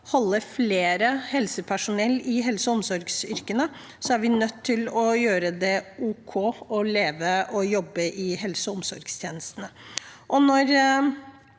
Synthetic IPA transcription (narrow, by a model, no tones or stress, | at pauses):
hɔlːəɾfleːɾəhɛlsəpʰæʂʊnɛlːɪɦɛlsəɔmsɔɾɡsʏɾkənə | sɔæɾʋɪnœt̪ʰːɪlɔjøːɾəd̪ɛʔuːkʰɔɔleːʋəʔɔjɔbːəʔɪhɛlsəɔmsɔɾɡst̪ʰjeːnəst̪ənəʔɔnɔɾ